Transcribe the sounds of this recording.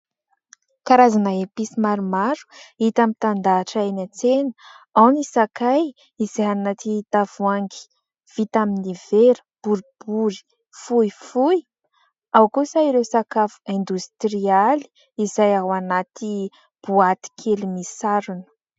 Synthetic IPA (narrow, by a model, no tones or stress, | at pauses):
kaɾazanaepisimaɾumaɾu̥it̪amit̪and̪aːʈ͡ʂaenat͡senə̥ | awnisakaj | izajanat̪it̪av̥uaŋɡi̥ | v̥it̪aminiveɾə̥b̥uɾib̥uɾi̥ | fuifuj | awkusaiɾewsakafu̥end̪ust̪ɾiali̥ | izajawanat̪i | b̥uat̪i̥kʰelimisaɾunə̥